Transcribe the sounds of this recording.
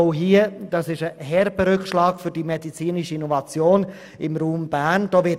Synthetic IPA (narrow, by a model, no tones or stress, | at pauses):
ɦiəd̥ɑsɪʃəhɛɾbəɾʏkʃlɑːɡfʏɾdimɛdit͡siːniʃəinɔvɑt͡sjoːn | ɪmɾuːmb̥æːnd̥ɔːʋɪ